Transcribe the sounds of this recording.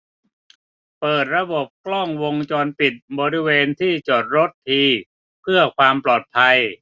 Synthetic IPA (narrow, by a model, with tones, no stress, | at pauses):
pɤː˨˩t̪̚ɾa˧bo˨˩p̚klɔ˥˩ŋwo˧ŋt͡ɕɔː˧npi˨˩t̪̚bɔː˧ɾi˦˥weː˧nt̪ʰiː˥˩t͡ɕo˨˩t̪̚ɾo˦˥t̪ʰːiː˧ | pʰɯ˥˩ɐkʰwaː˧mplɔː˨˩t̪̚pʰa˧j